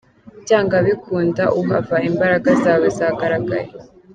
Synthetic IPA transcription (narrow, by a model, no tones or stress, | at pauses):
caːŋɡaβikʰuːndaʔuɦavaimbaɾaɡazaːwezaːɡaɾaɡa̰ɾe